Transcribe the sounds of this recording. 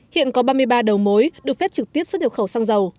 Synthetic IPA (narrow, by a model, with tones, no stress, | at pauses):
hḭ˧˨ənkɔ˨˦ɓaː˧mɨ˧əjɓaː˧ɗə˨˩wmo˨˦jɗɨ˨˩ək̚fɛ˦˥p̚t͡ɕɨ˨˩k̚t̪i˦˥əso˦˥ɲə˨˩xə˧˩wsaː˧ŋzə˨˩w